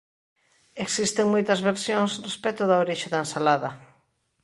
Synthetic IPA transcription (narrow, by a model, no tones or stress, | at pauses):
eksist̪eŋmojt̪ɐzβeɾsjoŋsrespɛt̪ʊðaoɾiʃeðaensalaðɐ